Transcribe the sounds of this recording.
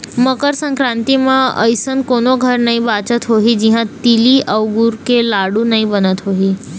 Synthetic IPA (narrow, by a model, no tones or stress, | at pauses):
məkəɾsə̃ŋkɾãnt̪imãə̰jsənkonoɡʱəɾnaɦĩbat͡ʃət̪ɦoɦid͡ʑiɦãt̪iliʔəʋɡuɾkelaɽunaɦĩbənət̪ɦoɦi